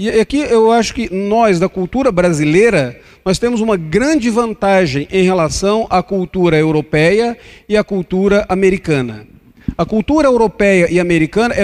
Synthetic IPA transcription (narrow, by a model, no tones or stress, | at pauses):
iakiewaʃʊ̥kɪnɔzd̪ɐkuwt̪uɾɐbɾazilejɾɐ | nɔst̪ẽmʊzũmɐɡɾɐ̃d͡ʒɪvɐ̃nt̪aʒẽj̃ʔẽj̃ɦelasɐ̃w̃ʔakuwt̪uɾɐewɾopɛjɐɪakuwt̪uɾɐʔameɾikɐ̃nɐ̰ | ɐkuwt̪uɾɐewɾopɛjɐʔɪameɾikɐ̃nɐʔɛ